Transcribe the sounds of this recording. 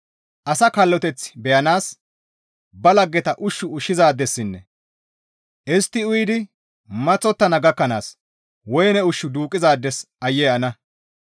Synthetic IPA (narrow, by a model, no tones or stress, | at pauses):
ʔɐsɐkɐlːɔt̪ɛt͡sːbɛjɐnaːs | bɐlɐɡːɛt̪ɐʔʊʃːʊʊʃːɪzaːd̪ːɛsːɪnːɛ | ʔɪst̪ːɪʊjd̪ɪ | mɐt͡sʼːɔt̪ːɐnɐɡɐkːɐna̰ːs | wɔjnɛʊʃːʊd̪uːkʼːɪzaːd̪ːɛs | ɐjːɛɐnɐ